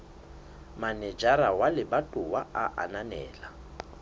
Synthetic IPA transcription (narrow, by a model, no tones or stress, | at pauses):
manɛd͡ʒaɾawalɪbatʼʊwaaʔa̰nanɛ̰ːla